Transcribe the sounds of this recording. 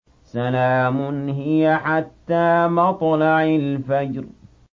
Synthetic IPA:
salaːmʊnhɪjaħat̪ːaːmɑt̪ˤlɑʕalfad͡ʒɾ

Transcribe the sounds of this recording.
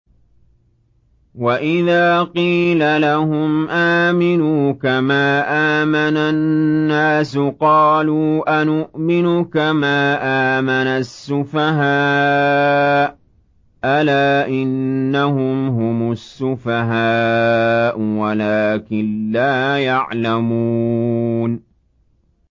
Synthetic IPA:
waʔɪðaːqiːlalahʊmʔaːmɪnuːkamaːʔaːmanaːaːsʊqɑːluːʔanʊʔmɪnʊkamaːʔaːmanasːʊfaɦaː | ʔalaːʔɪnːahʊmɦʊmʊsːʊfaɦaː | ʔʊwalaːkɪnlaːjaʕlamuːn

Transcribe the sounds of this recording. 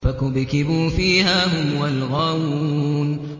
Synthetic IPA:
fakʊbkɪbuːfiːhaːhʊmwalɣaːwun

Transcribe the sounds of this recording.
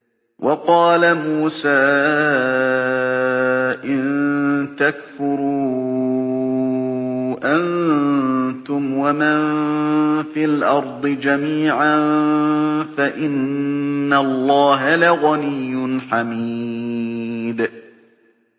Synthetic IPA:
wʔɑqɑːlamuːsaː | ʔɪnt̪akfʊɾuː | ʔan | t̪ʊmwaman | fiːlʔɑɾˤd̪ˤɨd͡ʒamiːʕan | faʔɪnː | alˤːɑːɦalaɣanɪjːʊnħamiː | d̪

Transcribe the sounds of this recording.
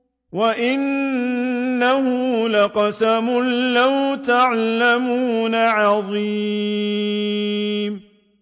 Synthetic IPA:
waʔɪnː | aɦʊlaqɑsamʊlːawt̪aʕlamuːnaʕɑðˤi | m

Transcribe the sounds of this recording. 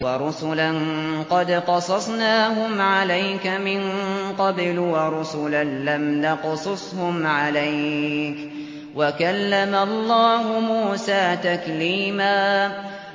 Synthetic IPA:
wɑɾˤʊsʊlanqɑd̪qɑsˤɑsˤnaːɦʊmʕalajkamɪnqɑblwɑɾˤʊsʊlanlamnɑqsˤʊsˤhʊmʕalajk | wakalːamaɑlˤːɑːɦʊmuːsaːt̪akliːmaː

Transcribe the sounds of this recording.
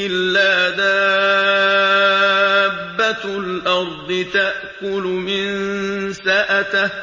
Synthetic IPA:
ɪlːaːd̪aː | bːalʔɑɾˤd̪ˤɨt̪aʔkʊlʊmɪnsaʔat̪

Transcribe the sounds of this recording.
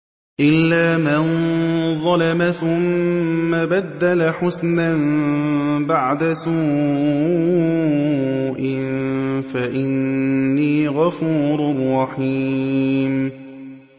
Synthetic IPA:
ʔɪlːaːmanðˤɑlamaθʊmːabad̪ːalaħʊsnam | baʕd̪asuː | ʔɪnfaʔɪnːiːɣɑfuːɾʊrˤːɑħi | m

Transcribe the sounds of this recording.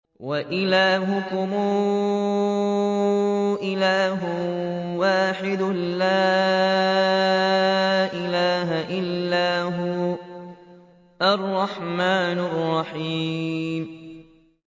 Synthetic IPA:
waʔɪlaːɦʊkʊmuː | ʔɪlaːɦʊ | waːħɪd̪ʊla | ʔɪlaːɦaʔɪlːaːɦʊ | ʔarˤːɑħmaːnɪrˤːɑħiːm

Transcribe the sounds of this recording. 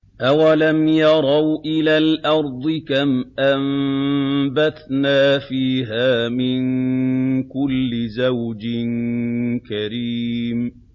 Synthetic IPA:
ʔawalamjɑɾˤɑwʔɪlaːlʔɑɾˤd̪ˤɨkamʔam | baθnaːfiːɦaːmɪn | kʊlːɪzawd͡ʒɪnkaɾiːm

